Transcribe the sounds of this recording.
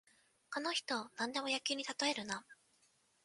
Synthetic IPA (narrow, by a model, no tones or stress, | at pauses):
kono̞çi̥t̪o̞nãnd̪e̞mo̞jakʲɨːɲ̟it̪at̪o̞eɾɯ̟na